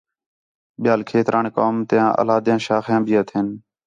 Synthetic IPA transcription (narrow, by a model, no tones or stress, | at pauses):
ɓɪjaːlkʰeːt̪ɾʔaːɳkoːmt̪ɪjãːʔə̰laːd̪jãːʃaːxjãːbʱiːət̪ʰeːn